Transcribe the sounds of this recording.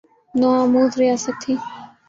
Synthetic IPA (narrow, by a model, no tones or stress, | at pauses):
noãːmuːt̪ɾɪjaːsək̚t̪ʰiː